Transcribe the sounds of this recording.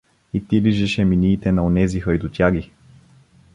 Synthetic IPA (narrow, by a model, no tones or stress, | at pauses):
it̪iliʒɛʃɛminiːt̪ɛnɐonɛzixɐjd̪ot̪ʲjaɡi